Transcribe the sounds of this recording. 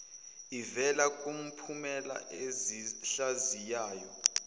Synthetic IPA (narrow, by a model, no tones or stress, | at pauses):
ivɛlakʼum̩pʰumɛla̰ʔeziɬazijaːjɔ